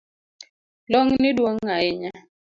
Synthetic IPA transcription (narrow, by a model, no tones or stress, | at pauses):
lɔŋnidwoŋːaɪɲa